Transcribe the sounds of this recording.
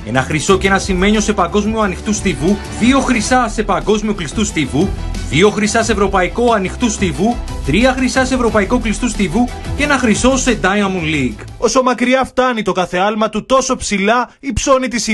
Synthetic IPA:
e̞̰nɐxɾiso̞cenɐsimːe̞ɲo̞se̞pɐɡo̞zmiuɐnixt̪ust̪ivu | ðio̞xɾisɐse̞pɐŋɡo̞zmiuklist̪ust̪ivuðio̞xɾisɐsee̞vɾo̞pɐiko̞ɐnixt̪ust̪ivut̪ɾiɐxɾisɐse̞vɾo̞pɐikoklist̪ust̪ivucee̞nɐxɾiso̞se̞d̪ɐjnɐmunliɡ | o̞so̞mɐkɾiɐft̪ɐnit̪o̞kɐθe̞ɐlmɐt̪ut̪o̞so̞psilɐipso̞nit̪isi

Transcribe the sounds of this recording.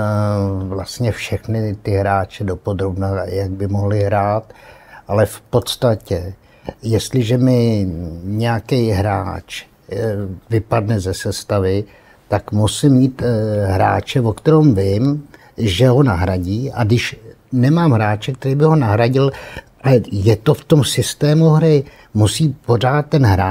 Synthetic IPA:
vlast̪ɲɛfʃɛxnɪt̪ɪɦɾaːt͡ʃɛdo̞po̞d̪ɾobnajaɡ̚bɪmo̞ɦlɪɦɾaːt̪ʔalɛfpo̞t̪st̪acɛ | jɛst̪lɪʒɛmɪ | ɲɛjakɛjɦɾa̰ːt͡ʃ | vɪpadnɛzɛsɛst̪avɪ | t̪akmusɪmːiːt̪ɦɾa̰ːt͡ʃɛvokt̪ɛɾoːmvɪm | ʒɛɦo̞naɦɾaɟiːʔadɪʃ | nɛmaːmɦɾaːt͡ʃɛk̚t̪ɛɾiːbɪɦo̞naɦɾaɟɪlʔaɛjɛt̪o̞ft̪o̞msɪst̪ɛːmuɦɾɪ | musiːpo̞daːt̪̚ːɛnɦɾaː

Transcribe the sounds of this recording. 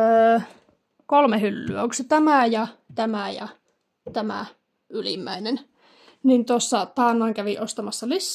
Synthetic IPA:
əː | kolmehylːy̰æoŋkset̪æmæjɑt̪æmæjɑ̰ | t̪æmæ̰ | ylḭmːæinen | nint̪osːɑt̪ɑːnːˑɑːŋkæʋiʔost̪ɑmɑsːɑlisː

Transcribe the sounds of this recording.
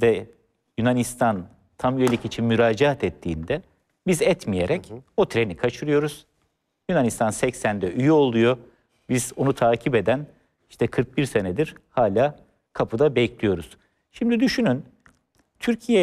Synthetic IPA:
vɛ | junanist̪ʰan | t̪ʰamyjelʲicit͡ʃʰinmyɾaːd͡ʒat̪ʰɛt̪ʰːiːnd̪ɛ | bizɛt̪mije̞ɾɛcot̪ʰɾe̞nikʰat͡ʃʰɯɾɯjo̞ɾuz̥ | junanist̪ʰansɛcsænd̪ɛyjyo̞lˠujo̞ | bizo̞nut̪ʰaːcʰipe̞d̪æn | iʃt̪ʰɛkʰɯɾk̚biɾse̞nɛd̪iɾhaːlʲaː | kʰapʰɯd̪abɛclʲijo̞ɾuz̥ | ʃimd̪id̪yʃynyn | t̪ʰyɾcʰijɛ

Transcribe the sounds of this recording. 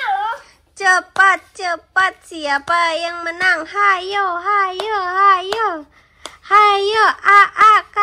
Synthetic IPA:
t͡ʃəpat̪̚t͡ʃəpat̪̚siapajaŋmənaŋhajoɦajohajo | hajoʔaʔaka

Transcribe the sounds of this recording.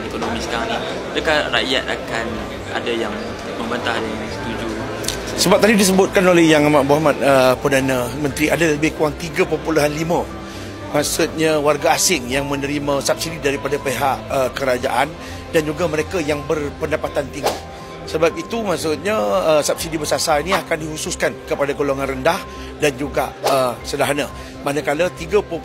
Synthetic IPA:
ekonomisə̥kaɾani | dəkara̰ja̰t̪̚a̰kan | a̰dajaŋ | məmbant̪ahdəŋansə̥t̪ud͡ʒu | səbap̚t̪adidis̬əbʊt̪̚kanolɛhjaŋamaʔ̚moɦamat̪̚əpərdanəmə̃nt̪ɾiʔadaləbɪhkuaŋt̪iɡapəpuluɦanlimə̃ | maʔsʊt̪̚ɲawarɡaːsɪŋjaŋmə̃nəɾimə̃sap̚sididaɾipadapeɦaʔəkəɾad͡ʒa̰ʔan | dand͡ʒuɡaməɾekajaŋbərpəndapat̪ant̪iŋɡi | səbap̚it̪umaksʊt̪̚ɲaəsap̚sidibərsasainiakandihusʊskankəpadaɡoloŋãnrəndah | dand͡ʒuɡa̰ʔəsədaɦana | manəkalət̪iɡəpu

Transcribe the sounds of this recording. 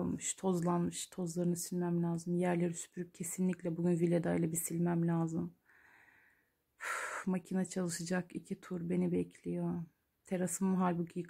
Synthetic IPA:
mɯʃt̪ʰo̞zlˠanmɯʃt̪ʰo̞zlˠaɾɯnɯsilʲmæmlʲaːzɯmjæɾlʲeɾisy̥pʰyɾyp̚cʰe̞sinlʲicʲlʲɛbuɟynvilʲed̪ajlˠabisilʲmæmlʲaːzɯm | macʰinat͡ʃʰalˠɯʃɯd͡ʒakicʰit̪ʰuɾbe̞nibɛcʰlʲijo | t̪ʰeɾasɯmɦalʲbukʰijkʰ

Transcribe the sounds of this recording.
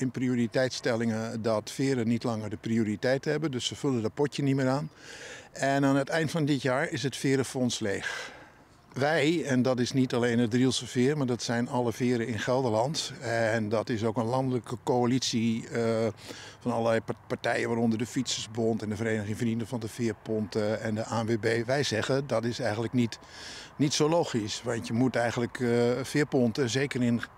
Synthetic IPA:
ɪnprioːritɛjtstɛlˠɪŋədɔtfɪːɾənitlɑŋərdəprioːritɛjthɛbəndøsːəfølədɔpɔtjənimɪːɾaːn | ɛnaːnətɛjntfɔndɪtjaːɹɪs̬ətfɪəɾəfoɔnsleːx | ʋɛjɛndɔtɪsnitaleːnədrilˠsəfɪərmaːɹdɔtsɛjnɑlˠəfɪːɾəɪnxɛlˠdərlɑntɛndɔtɪsoːkənlɑndələkəkoalisi | fɔnɑləlɛjpaɹtɛjəʋaːɾɔndərdəfitsəsbɔntɛndəfəɾeːnəɣɪŋfərdindəfɑndəfɪərpɔntəɛndəʔaːʋeːbeːʋɛjzɛɣədɔtɪsɛjɣəntləknit | nitsowloːxisʋɑntjəmutɛjɣən̩ləkfɪərpɔntəzeːkərɪn

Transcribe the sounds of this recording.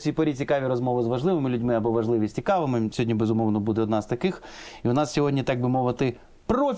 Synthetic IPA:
sʲipɔɾʲit͡sʲikɑʋʲiɾɔzmɔʋɪzʋɐʒlˠɪʋɪmɪlʲʊdʲmɪɐbɔʋɐʒlˠɪʋʲisʲt͡sʲikɑʋɪmɪsʲɔɦɔdʲnʲibezʊmɔʋnɔbud̪ɛɔd̪nɑzt̪ɐkɪxiʊnɑssʲɔɦɔdʲnʲit̪ɑɡ̚bɨmɔʋɐt̪ɪ | pɾɔfʲ

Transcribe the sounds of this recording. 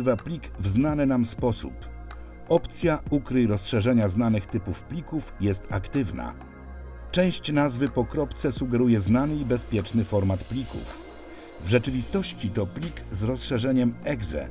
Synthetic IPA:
vaplʲikvznanɛnamspɔsṵp | ɔpt̪sʲjaukɾɘjɾɔsʂɛʐɛɲaznanɘxt̪ɘpufplʲikufjɛst̪akt̪ɘvna̰ | t͡ʂɛ̃w̃ɕt͡ɕnazvɘpɔkɾɔpt̪sɛsuɡɛɾujɛznanɘibɛspʲjɛt͡ʂnɘfɔɾmat̪plʲikʰṵf | vʐɛt͡ʂɘvʲist̪ɔɕt͡ɕit̪ɔplʲikzɾɔsʂɛʐɛɲɛmɛɡzɛ̰

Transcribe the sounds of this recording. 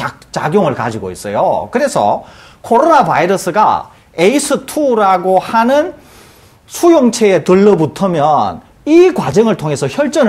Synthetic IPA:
ak̚t͡ɕa̰ɡjoŋɯɭka̰d͡ʑiɡoḭs͈ʌ̰jo̰kɯɾe̞sʰʌ̰ | kʰoɾonabaiɾʌs͈ʰɯɡa̰ | eisʰɯtʰuɾaɡohanɯn | sʰujoŋt͡ɕʰeːtɯɭːʌbutʰʌmjʌn | ikwa̰d͡ʑʌŋɯɭtʰoŋɦe̞sʰʌçjʌɭt͡ɕ͈ʌn

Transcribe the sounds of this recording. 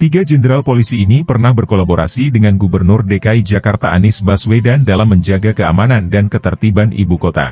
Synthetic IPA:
t̪iɡad͡ʒəndəɾalpolisiːnipərnahbərkolaboɾʔa̰sidəŋanɡubərnʊrdekaid͡ʒakart̪aanɪsbaswedanndalamːəɲd͡ʒaɡakəa̰manandankət̪ərt̪ibanʔḭbukot̪a̰

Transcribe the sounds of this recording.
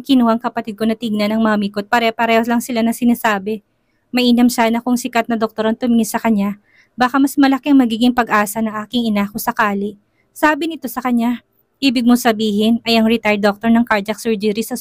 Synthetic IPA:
kɪnʊwaŋkɐpɐt̪id̪̚ko̞nɐt̪ɪɡ̚nɐnɐŋmɐɐmikot̪̚pɐɾɛpɐɾɛholɐŋsɪlanɐsɪnasaːbɛ | mɐʔiːnɐmsaːnɐkʊŋsɪkɐt̪̚nɐd̪ok̚t̪o̞ɾɐŋt̪ʊmɪŋɪsɐkɐɲːa | baːkɐmɐsmɐlɐkiɐŋmɐɡiːɡɪŋpɐɡʔaːsɐnɐŋʔaːkɪŋɪnaːkosɐkaːlɪ | saːbɪnɪt̪o̞sɐkɐɲa | ʔiːbɪɡ̚mosɐbiːhɪnɐjɐŋɾɪt̪ajd̪ok̚t̪oɹnɐŋkaɹd͡ʒɐk̚sɛɹd͡ʒɛɾisɐ

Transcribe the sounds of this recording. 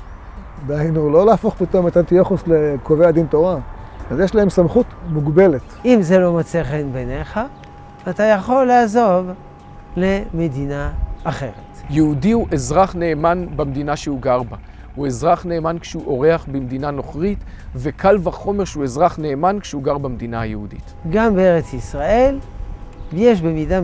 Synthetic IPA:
d̪ajnulo̞laːfo̞χpit̪omet̪ant̪ijoχuslekovejad̪int̪o̞ʁaazjeʃlae̞msamχut̪muɡbe̞le̞t̪imze̞lo̞mat͡seχenbeneχaː | t̪ajaχo̞lːaːzo̞v | le̞med̪inaːχe̞ʁet̪jeudiuʔezʁaχneːmanbamd̪inaʃeuɡaʁba | uezʁaχne̞ːmankʃeuʔo̞ʁeaχbemd̪inano̞χʁit̪vekʰalvaχo̞me̞ʁʃeuezʁaχne̞ːmankʃeuɡaʁbamd̪inahajehudḭt | ɡambeeʁet͡sisʁae̞l | vjeʃ̬bemida

